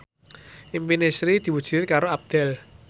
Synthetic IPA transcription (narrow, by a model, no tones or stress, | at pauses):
ʔimpinesɾid̪̥i̤wud̥ʒ̥ɪrkaɾoab̚d̪̥ɛl